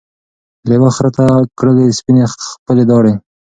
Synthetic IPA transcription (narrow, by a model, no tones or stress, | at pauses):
lewaxɾat̪akɽəlespinepəled̪ɑɽe